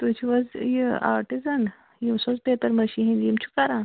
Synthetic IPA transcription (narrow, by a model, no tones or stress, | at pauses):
t̪uːt͡ʃʰiʋɐzjia̰ːɾʈizɐn | jimsozpet̪ɐɾmɐʃiɦĩnd̪jimt͡ʃʰu̥kɐɾãː